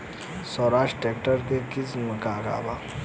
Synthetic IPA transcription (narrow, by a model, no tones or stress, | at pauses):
sɔːɾaːʃʈeːkʈəɾkekɪsmkaːɡa̰ːbaː